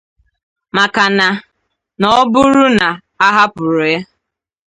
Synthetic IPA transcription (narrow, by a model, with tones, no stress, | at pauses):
ma˨ka˨na˨ | nɔ˦bʊ˦ɾʊ˦na˨ | a˦ɦa˦pʊ˨ɾʊ˨ja˦